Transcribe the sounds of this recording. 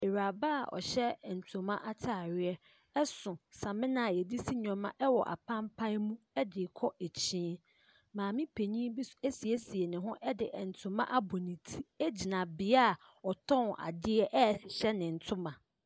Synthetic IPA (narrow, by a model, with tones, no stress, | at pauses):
e˨ɾa˨ba˦a̰˨ʔɔ̰˨ɕɛ˦˨n̩˨tʰʊ̃˨mã˦ʔa˦tʰa˨ɾɪ˦ɛ˦ | ɛ˦sʊ̃˨sã˨mɪ̃˦nã˨a˨jɛ˨di˦si˦ɲᶣ˨ɔ̃˨mã̰˦ʔɛ˦wɔ˨ʔa̰˨pʰã˦mpʰã˦mũ˦ɛ˦dɪ˨kʰɔ˦ʔe˨t͡ɕʰĩː˦ | mãː˨mɪ̃˦pʰe˨ɲĩ˦bi˦se˦si˨e˦si˨ɛ˨nɪ̃˨ɦʊ̃˦ʔɛ˦dɪ̰˨ʔn̩˨tʰʊ̃˨mã̰˦ʔa˦bɔ˨nɪ̃˨tʰi˦ɛ˦d͡ʑi˨nã˨bɪ˨a˦˨ | ɔ˨tʰɔ̃˦n˨a̰˨dɪ˦ɛ˦ʔɛ˦˨sɪ˨ɕɛ˦nɪ̃˨n̩˨tʰʊ̃˦mã˨